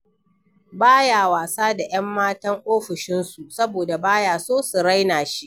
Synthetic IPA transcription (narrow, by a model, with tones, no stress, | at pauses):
baː˦jaː˨waː˨saː˦da˨j̰ɐ˦mːaː˦tɐ˦ŋʔoː˦ɸɪ˨ʃɪ˦nsu˨ʔsɐ˦boː˨da˨baː˦jaː˨soː˦su˨ɾa˦jnaː˨ʃi˦ʔ